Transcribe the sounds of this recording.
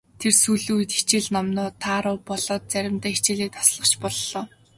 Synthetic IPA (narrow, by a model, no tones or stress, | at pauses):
t̪ʰersujɮuj̆t̪i̥t͡ɕɪ̆ɮnɔmnʊːt̪ʰaːɾʊːpɔɮɔːt̪̚t͡sæɾʲɪ̆mt̪æːit͡ɕɪ̆ːɮiːk̚t̪ʰɔ̥sɮə̆χt͡ɕʰpɔɮːɔː